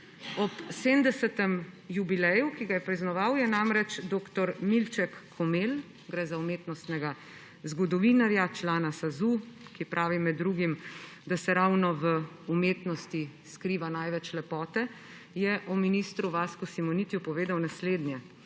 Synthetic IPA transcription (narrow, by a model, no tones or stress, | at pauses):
ɔpsemd̪ɛsɛt̪ɛmjubilɛjukiɡajɛpɾiznɔʋawjɛnamɾɛt͡ʃd̪oːkt̪ɔɾmilt͡ʃɛkʰːɔmel | ɡɾɛzaumeːt̪nɔst̪nɛɡa | zɡɔd̪ɔʋinaɾjat͡ʃlaːnasazukipɾʔaːʋimɛd̪ːɾuɡim | d̪asɛɾawnɔʋə | umeːt̪nɔst̪i | skɾiːʋanajʋɛt͡ʃlɛpɔːt̪ɛ | jɛʔɔminist̪ɾuʋaːskusimɔnit̪jupɔʋeːd̪awnasleːd̪njɛ